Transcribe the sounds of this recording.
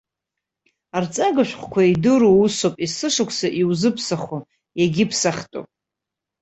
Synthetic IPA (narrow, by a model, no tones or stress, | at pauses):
art͡sʼaɡaʃʷᶣχʷkʷʰaidɨɾousopʼisɨʂɨkʷʰsaʔiwuzɨpʰsaχo | jaɡʲɪpʰsaχʲtʼo̰pʼ